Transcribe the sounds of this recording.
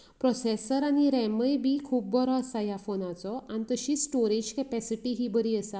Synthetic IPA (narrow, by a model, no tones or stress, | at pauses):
pɾɔsesəɾaɽ̃iɾɛməjbʱiːkʰuːp̚bɔɾɔəsajafonat͡sɔañit̪əɕiːsʈoɾid͡ʑkɛpɛsiʈiɦiːbəɾiːəsa